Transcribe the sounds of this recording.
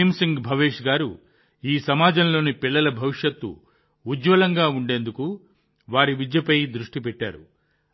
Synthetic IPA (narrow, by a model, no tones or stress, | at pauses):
msiŋɡbʱɐʋeːʂɡaːɾu | iːsɐmaːd͡ʒɐmlo̞ːnipiɭːɐlɐbʱɐʋiʂjɐt̪ːṵː | d͡ʒʋɐlɐŋɡaːuɳɖe̞ːnd̪uku | ʋaːɾiʋid͡ʒjɐpɐjd̪ɾuʂʈipɛʈːa̰ːɾu